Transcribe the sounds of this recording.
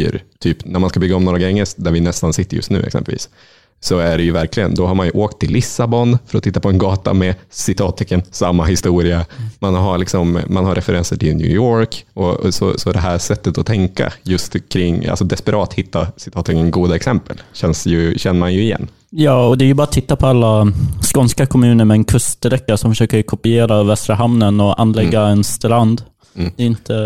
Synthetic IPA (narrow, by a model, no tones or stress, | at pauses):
ɾt̪ʰyːpnæɾmanskabʏɡːaɔmnoːɾaɡɛŋːəd̪æɾvɪnɛst̪ansɪt̪ːəɾjɵ̰st̪nʉ̟ːɛ̰ksɛ̰mpəlvḭːs | sɔæɖɛjɵvæɾklɪɡə̰nd̪ɔɦaɾmanjɵʔoːkt̪ʰːɪlːʔɪsːabɔnfœɾɔt̪ʰɪt̪ːapʰɔɛnɡɑːt̪a̰mɛsɪt̪ʰɑːt̪ʰːɛkːənsamːaɦɪst̪uːɾɪamanɦalɪksɔmːanhaɾʔɛfɛɾɛnsəʈʰɪlnjʉ̰ːjoːɾkɔsɔ̰sɔd̪ɛɦæʂɛt̪ːət̪ɔt̪ʰɛŋka̰jɵst̪kʰɾɪŋːa̰lsɔd̪ɛspɛɾʔɑːt̪hɪt̪ːasɪ̥t̪ʰɑːt̪ʰːɪkənɡuːd̪aɛksɛmpəlɕɛnsjɵɕɛnːəɾmanjɵɪjɛ̰nː | jɑːɔd̪ɛæɾjɵbɑːɾat̪ʰɪt̪ːapʰɔalːaskɔnskakʰɔmʉ̟ːnəɾmɛɛnkʰɵst̪ɾɛkːasɔmfœʂøːkəɾkʰɔpɪeːɾavɛst̪ɾaɦamnənɔʔa̰nːlɛɡːaɛnst̪land̪ | d̪̥ɛɪnt̪ʰə